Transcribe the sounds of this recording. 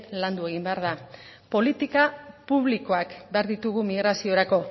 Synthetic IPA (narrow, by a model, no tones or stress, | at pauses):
land̪ue̞ɣ̞imbe̞aɾðapo̞lit̪ikapuβliko̞akbe̞aɾðit̪uɣ̞umiɣɾasio̞ɾako̞